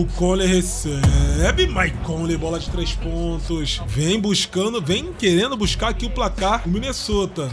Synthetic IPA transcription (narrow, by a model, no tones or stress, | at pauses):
ʊkõleɦeseɛbɪmajkõlebɔlɐd͡ʒɪt̪ɾejʃpõt̪ʊsvẽj̃buʃkɐ̃d̪ʊvẽj̃keɾẽnd̪ʊbuʃkaɾakiʊplakaɾ̃mĩnesot̪ɐ